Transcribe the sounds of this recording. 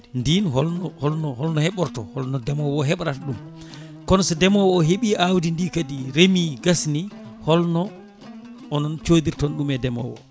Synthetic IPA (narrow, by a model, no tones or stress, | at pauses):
ndinɦɔlnɔhɔlnɔhɔlnɔhɛɓɔɾtɔhɔlnɔdɛmɔwɔɦɛɓɾataɗum | kɔnɔsɛdɛmɔwɔːɦeɓiʔawdindikadiɾemiɡasni | hɔlnɔ | ʔɔnɔnt͡ʃoːdiɾtɔnɗumɛdɛmɔ̰wɔ̰